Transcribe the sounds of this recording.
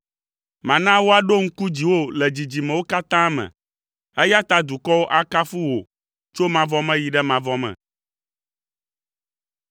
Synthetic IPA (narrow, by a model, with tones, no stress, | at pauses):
mã˨nã˦wo˦a˨ɖo˦ŋ̩˦ku˦d͡ʑi˨wo˦lɛ˨d͡ʑi˨d͡ʑi˨mɛ̃˨wo˦ka˦t̪ã˦mɛ̰̃˨ | ɛ˦ja˦t̪a˦d̪u˨kɔ˦wo˦ʔa˦ka˦fu˦wo̰˨ | t͡ʃo˦mã˨vɔ˦mɛ̃˦ji˨ɖɛ˦mã˨vɔ˦mɛ̰̃˨